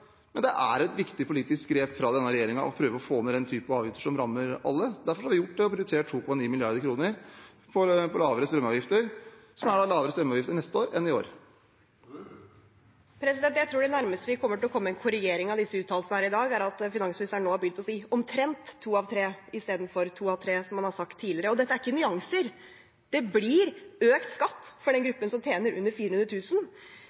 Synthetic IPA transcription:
mɛnd̪ɛʔæ̰ɾɛt̪ʋɪkt̪ɪpʰʊliːt̪ɪskɡɾeːpfɾɑd̪ɛnːəɾɛjeːɾɪŋɑʔɔ̰pʰɾøːʋəɔfoːmɛd̪ɛnt̪ʰyːpɑɑːʋjɪft̪əʂɔmɾɑmːəɾɑ̰lːəd̪æɾfɔɾhɑɾʋɪjʊʈ̚ːd̪ɛɔpɾʊd̪ʉsʰeːʈʰːuːkʰɔmɑniːmɪlɪɑɾd̪əɾkʰɾuːnəɾ | pʰɔpʰɔlɑːʋəɾəst̪ɾœməɑːʋjɪft̪əɾsɔmæɖɑlɑːʋəɾəst̪ɾœmːɑːjɪft̪əɳɛst̪əoːɾɛnːɪo̰ːɾ | pʰɾɛsɪd̪ɛnt̪jæɪt̪ʰɾuːɖɛnæɾməst̪əʋɪkʰɔmːəʈɪlɔkʰɔmːəɛnkʰʊɾɪɡeːɾɪŋɑʋd̪ɪsːəʉːt̪ʰːɑːləsnəhæːɾɪd̪ɑːɡæɾɑt̪fɪnɑŋsmɪnɪst̪æɳoːhɑbjʏnt̪ɔsiːɔmt̪ʰɾɛnt̪ʰːuːɑʋt̪ʰɾeːɪst̪eːd̪n̩fɔɾt̪ʰuːɑʋt̪ʰɾeːsɔmːɑnhɑɾsɑk̚t̪ʰːiːlɪɾəɔd̪ɛt̪ːəæɾɪkːənʏɑŋsəɾ | d̪̥ɛbliɾøːkt̪skɑt̪ːfɔɖɛnɡɾʉpːənsɔmt̪ʰjeːnəɾʔʉ̰nːəɾfiːɾən̩ʉnɾət̪ʉːsn

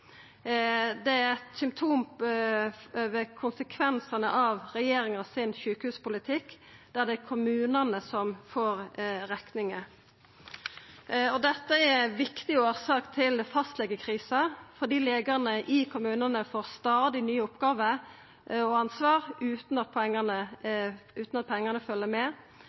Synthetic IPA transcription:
d̪ɛæɾɛt̪sʏmt̪ʰuːm | øʋəkʰʊnsəkʰʋɛnsɑnəʔɑʋɾɛjeːɾɪŋɑsɪnçʉːkəhʉːspʊlɪt̪ʰɪkː | d̪̥æʁd̪ɛækʰʊmʉːnənəsɔmfoːɾɾɛknɪŋə | ɔd̪ɛt̪ːəɛʋɪkt̪ɪoːɾsɑːkt̪ʰɪlfɑst̪lɛɡːəkʰʁiːsɑfɔʁd̪iːleːɡɑʁnəʔɪkʰʊmʉːnənəfoːʁst̪ɑːd̪ɪnyːʊpːɡɑːʋə | ɔɑnsʋɑːʁʉːt̪n̩ɑt̪̚pʰɔɛŋːənə | ʉːt̪n̩ɑt̪̚pʰɛŋːənəfœlːəmɛː

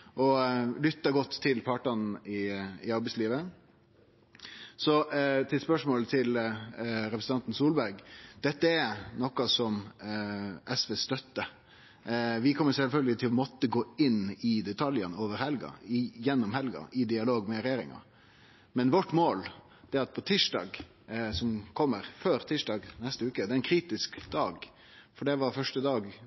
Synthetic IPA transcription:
ʔɔlʏt̪ːɑɡɔt̪ʰːɪlpʰɑːʈɑn̩ɪɪɑɾbɛsliːʋə | sɔt̪ʰɪlspœʂmoːlət̪ʰɪl | ɾɛpɾsənɑnt̪n̩suːlbæɾɡd̪̥ɛt̪ːəɛɾnɔkːɑsɔm | ʔɛsʋeːst̪œt̪ːə | ʋɪkʰɔmːəɾsɛlfœlɡəlɪt̪ʰɪlɔmɔt̪ːəɡoːɪnɪd̪ɛt̪ʰɑljənəoːʋəɾhɛlɡɑ̰ɪjɛnːʊmhɛlɡɑ̰ʔɪd̪ɪɑloːɡmɛɾɛjeːɾɪ̰ŋɑ̰ | mɛnʋɔʈːmoːl | d̪̥ɛɾɑt̪̚pʰɔt̪ʰiːʂɖɑ̰ːɡ | sɔmkʰɔmːəɾføːɾt̪ʰiːʂɖɑːɡnɛst̪əʉːkəd̪ɛːɾɛnkʰɾiːt̪ɪskd̪̥ɑːɡ | fɔɖɛʋɑɾfœʂʈəd̪ɑːɡ

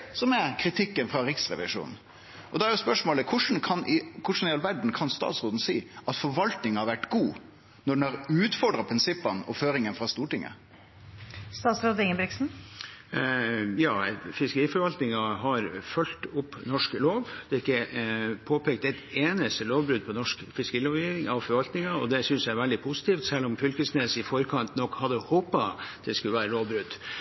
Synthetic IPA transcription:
sɔmæɾkʰɾɪt̪ʰɪkːənfɾɑɾɪksɾɛ̰ʋɪ̰ʂṵːn̩ | ʔɔd̪ɛæɾjʊspœʂmoːləkʰʊʂn̩kʰɑnkʰʊʂn̩ɪjɑlʋæɖɳ̩kʰɑnst̪ɑ̰ːt̪sɾoːd̪n̩siːʔɑt̪fɔɾʋɑlt̪nɪŋhɑɾʋæʈːɡuː | nɔɖɛnhɑɾʉːt̪fɔɖɾɑpʰɾɪnsɪpːɑnɔ̰føːɾɪŋənfɾɑst̪uːʈɪŋːə̰ | st̪ɑːt̪sɾoːd̪əɪŋənbɾɪksn̩ | jɑːfɪskəɾiːfɔɾʋɑlt̪nɪŋɑɦɑɾfœlt̪ʊpːnɔʂkloːʋd̪ɛɪkːəpʰoːpʰeːkt̪ɛɪt̪eːnəst̪əloːʋbɾʉd̪̚pʰɔnɔʂkfɪskəɾiːloːʋiɪŋɑʋfɔɾʋɑlt̪nɪŋɑɔd̪ɛsʏnsæʋɛld̪ɪpʰʊsɪ̥t̪ʰiːft̪sɛlːɔmfʏlkəsneːsɪfɔɾkʰɑnt̪nɔkːhɑd̪ːəhoːpɑd̪̥ɛskʉəʋæːɾəloːʋbɾʉd̪ː

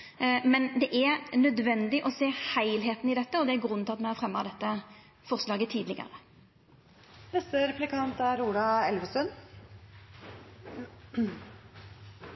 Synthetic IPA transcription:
mɛnd̪ɛʔæɾnœd̪ʋɛnd̪ɪʔɔseːhæɪlɦeːt̪n̩ɪd̪ɛt̪ːəɔd̪ɛæɾɡɾʉnt̪ʰɑt̪mɛhɑfʁɛmːɑd̪ɛt̪ːə | fɔʁslɑːɡət̪ʰiːd̪lɪɡə̰ɾə | nɛst̪əɾɛplɪkʰɑnt̪æɾuːlɑɛlʋəsœn

